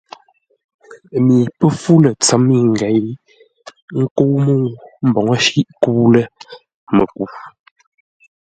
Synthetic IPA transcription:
mi˨pə˦fu˦lə˨t͡sa˨˦mi˦˨ŋ̩˨ɡɛ˨˦j | ŋ̩˦ko˦wmə˦˨m̩˦˨bɔ˨˦ŋə˦ʃi˦ʔku˦lə˦ | mə˨ku˨

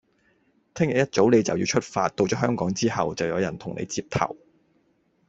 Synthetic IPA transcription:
t̪ʰɪ˥ŋjɐ˨˥jɐ˥t̚t͡so˨˥wle˨˧jt͡sɐ˨wjiː˧wt͡ʃʰɵ˥t̚faː˧t̚t̪o˧wt͡ʃɔː˨˥ɦœː˥ŋkɔː˨˥ŋt͡siː˥hɐ˨wt͡sɐ˨wjɐ˨˧wjɐ˨˩nt̪ʰʊ˨˩ŋnḛ˨˧jt͡siː˧p̚t̪ʰɐ̰˨˩w

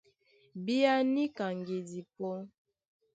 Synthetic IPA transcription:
bi˦a˦ni˦ka˨ŋɡe˨di˨pɔ˦

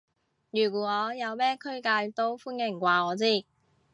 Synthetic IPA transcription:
jyː˨˩kuː˨˩ɔː˨˧jɐ˨˧wmɛː˥kʰɵ˥ɥkaː˧jt̪o˥wfuː˥njɪ˨˩ŋkʷaː˧ɔː˨˧t͡siː˥

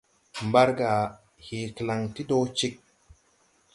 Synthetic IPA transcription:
mba˦ɾɡa˨ | hi˨ki˨la˨ŋti˦do˦t͡ʃi˦k̚

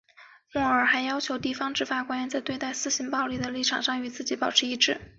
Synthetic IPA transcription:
mɔ˥˩ə˞˨˩xa˧˥ɪjɑ˥ʊt͡ɕʰjo˧˥ʊt̪i˥˩fɑ˥ŋʈ͡ʂɻ̩˥fa˥˩kwa˥nɥɛ˧˥nt͡sa˥˧ɪt̪we˥˧ɪt̪a˥˧ɪsɹ̩˥˩ɕi˧˥ŋpɑ˥˧ʊli˥˩d̪ə˩li˥˩ʈ͡ʂʰɑ̰˨˩ŋʂɑ˥˩ŋy˧˥t͡sʰɹ̩˥˩t͡ɕi˧˥pɑ˨˩ʊʈ͡ʂʰɻ̩˧˥i˥˧ʈ͡ʂɻ̩˥˩

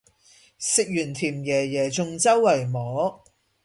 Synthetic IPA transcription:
sɪ˨k̚jyː˨˩nt̪ʰiː˨˩mjɛː˨˩jɛː˨˩t͡sʊ˧ŋt͡sɐ˥wːɐ˨˩jmɔː˨˥˦

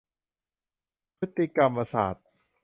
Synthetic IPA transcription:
pʰɾɯ˦˥t̪ːi˧ka˧mːa˧sa̰ː˨˩t̪̚

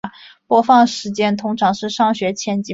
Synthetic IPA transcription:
pwɔ˥fɑ˥˩ŋʂɻ̩˧˥t͡ɕjɛ˥nt̪ʰʊ˧˥ŋʈ͡ʂʰɑ˨˩ŋʂɻ̩˥˧ʂɑ˥˩ŋɕɥɛ˧˥t͡ɕʰjɛ˧˥nt͡ɕi˧˥

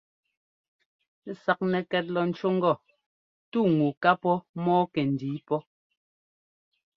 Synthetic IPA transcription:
sa˨k̚nɛ˨kɛ˨t̬̚lɔ˨n̩˨˦t͡ʃo˦ŋ˦ɡɔ˦˨ | tu˦˨ŋu˨ka˦pɔ˦mɔː˦kɛ˨n̩˨diː˨˦pɔ˦

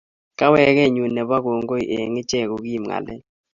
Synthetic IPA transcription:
ka˦wɛ˦ɣɛ˦˨ɲu˨nːɛ˨ba˦ɡwo˨ŋɡo˦i˨ʔe˨ŋɪ˦t͡ʃɛ˦˨ko˨ɡi˦˨mŋa̰˨lɪ˦

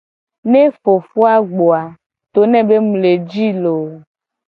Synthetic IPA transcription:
nɛ̃˦fo˨fu˦a˦ɡ͡bo˨a˨ | t̪o˨nɛ̃˦be˦mũ˨le˨d͡ʒi˦lo˨

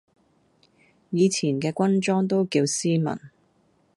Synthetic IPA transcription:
jiː˨˧t͡sʰiː˨˩nkɛː˧kʷɐ˥nt͡ʃɔː˥ŋt̪̬o˥wkiː˧wsiː˥mɐ̰˨˩n

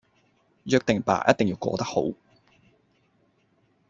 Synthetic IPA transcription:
jœː˧k̚t̪ɪ˨ŋpa̰ː˨jʔɐ̰˥t̪̚ɪ˨ŋjiː˧wkʷɔ̰ː˧t̪ɐ˥k̚ho˨˥w

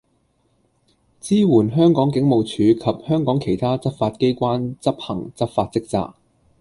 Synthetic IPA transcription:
t͡siː˥wuː˨˩nɦœː˥ŋkɔː˨˥ŋkɪ˨˥ŋmo˨˧wt͡ʃʰyː˨˧kʰɐ˨p̚hœː˥ŋkɔː˨˥ŋkʰe˨˩jt̪ʰaː˥t͡sɐ˥p̚faː˧t̚ke˥jkʷaː˥nt͡sɐ˥p̚hɐ̰˨˩ŋt͡sɐ˥p̚faː˧t̚t͡sɪ˥k̚t͡sa̰ː˧k̚

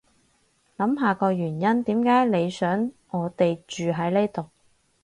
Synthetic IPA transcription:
lɐ˨˥mɦaː˨kɔː˧jyː˨˩njɐ˥nt̪iː˨˥mkaː˨˥jle˨˧jsœː˨˥ŋ | ŋɔː˨˧t̪e˨jt͡ʃyː˨ɦɐ˨˥jle˥jt̪o˨w

